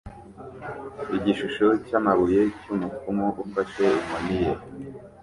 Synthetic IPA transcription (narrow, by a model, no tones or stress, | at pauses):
iɟiʃuʃocamaβuje̞cumukumoʔufaʃeumwonije